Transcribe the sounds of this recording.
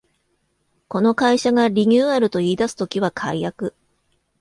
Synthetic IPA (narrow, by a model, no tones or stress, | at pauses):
ko̞no̞kaiɕaɡaɾʲiɲʲɨːaɾɯ̟t̪o̞iːd̪asɨ̥t̪o̞kʲiβ̞akʰa̰ijakɯ̟